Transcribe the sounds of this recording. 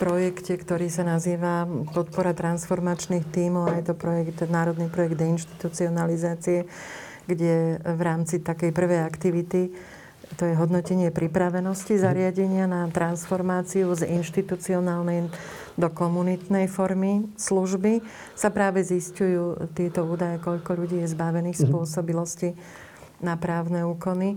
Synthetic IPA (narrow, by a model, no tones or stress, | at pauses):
pɾɔjɛkcɛkt̪ɔɾiːsanaziːʋapɔt̪pɔɾat̪ɾansfɔɾmat͡ʃniːxt̪iːmɔʊajt̪ɔpɾɔjɛɡt̪naːɾɔd̪niːpɾɔjɛɡ̚d̪ɛinʃt̪i̥t̪ut͡siɔnalizaːt͡siɛ | ɡɟɛʋɾaːmt͡sit̪akɛjpr̩ʋɛjakt̪iʋit̪i | t̪ɔjɛɦɔd̪nɔcɛɲɪɛpɾipɾaʋɛnɔscizaɾɪaɟɛɲɪanat̪ɾansfɔɾmaːt͡siuzinʃt̪it̪ut͡siɔnaːlnɛj | d̪ɔkɔmunit̪nɛjfɔɾmisluʒbi | sapɾaːʋɛziscujuːt̪ɪɛt̪ɔuːd̪ajɛkɔʎkɔʎuɟiːjɛzbaʋɛniːxspʊɔsɔbilɔsci | napɾaːʊnɛuːkɔni